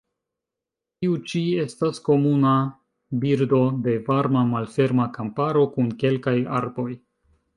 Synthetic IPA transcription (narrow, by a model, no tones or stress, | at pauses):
tiut͡ʃie̞stasko̞muna | biɾdo̞de̞vaɾmamalfe̞ɾmakampaɾo̞kunke̞lkaja̰ɾbo̞j